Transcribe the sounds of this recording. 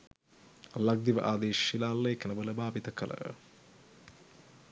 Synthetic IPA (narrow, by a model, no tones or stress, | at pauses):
lɐɡ̚d̪iʋɐ̰ʔaːd̪eːʃilaːlːeːkɐnɐbɐlɐbʱaːbit̪ɐkɐlɐ̰